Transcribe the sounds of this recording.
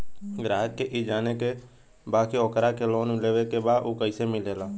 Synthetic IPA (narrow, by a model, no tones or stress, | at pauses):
ɡɾaːɦəkkeːʔiːd͡ʒaːneːkeː | baːkiːoːkɾaːkeːloːnmɪleːʋeːkeːbaːd̪ʔoːkəiːseːmɪleːlaː